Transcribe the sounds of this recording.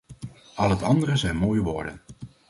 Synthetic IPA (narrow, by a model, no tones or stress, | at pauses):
ʔɑlˠɦətɑndəɾəzɛjnmoːjəʋʊ̰ːɹdə̰n